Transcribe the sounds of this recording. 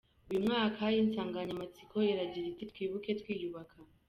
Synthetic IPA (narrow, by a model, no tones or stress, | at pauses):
ujimŋaːkajinsaːŋɡaɲamat͡sikʰojeɾaɟiɾitit̪wiːβuke̞tkwiːjuβakʰa